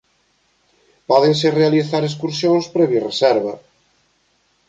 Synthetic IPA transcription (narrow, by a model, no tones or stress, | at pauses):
pɔðeŋs̬erealiθaɾes̬kuɾsjõŋspɾɛβjiresɛɾβɐ